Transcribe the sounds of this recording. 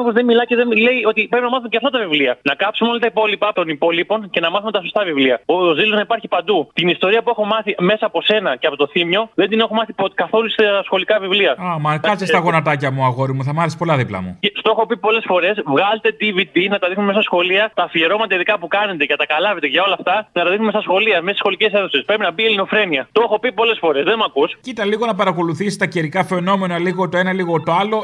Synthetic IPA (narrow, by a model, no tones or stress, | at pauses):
pozðemilɐceðenle̞io̞t̪ipɾepinɐmɐθumceɐft̪ɐt̪ɐvivliɐnɐkɐpsumeo̞lɐt̪ɐipo̞lipɐot̪o̞nipo̞lipo̞nce̞nɐmɐθumet̪ɐso̞st̪ɐvivliɐozðiloznɐipɐɾçipɐnd̪ut̪inist̪o̞ɾiɐpue̞xo̞mɐθime̞sɐːpo̞se̞nɐceɐpo̞t̪oθimɲo̞ðend̪ine̞xomɐθipokɐθo̞lust̪ɐsxo̞likɐvivliɐɐmɐkɐsest̪ɐɣo̞nɐt̪ɐcɐmuɐɣo̞ɾimuθɐmɐθespo̞lɐðiplɐ̰mṵeft̪oexo̞pipo̞le̞sfo̞ɾe̞svɣɐlet̪e̞t̪ivit̪inɐt̪ɐðixnumemst̪ɐsxo̞liɐt̪ɐfieɾo̞mɐt̪ɐiðikɐpukɐne̞t̪eʝɐt̪ɐkɐlɐve̞t̪eʝɐo̞lɐft̪ɐnɐt̪ɐðixnmest̪ɐsxo̞liɐmesisxo̞lice̞se̞θosespɾepinɐbielino̞fɾe̞niɐt̪oexo̞pipo̞le̞sfo̞ɾe̞zðemuɐkuscit̪ɐliɣo̞nɐpɐɾɐko̞luθisist̪ɐceɾikɐfe̞no̞me̞nɐliɣo̞t̪oe̞nɐliɣo̞t̪o̞ɐlo̞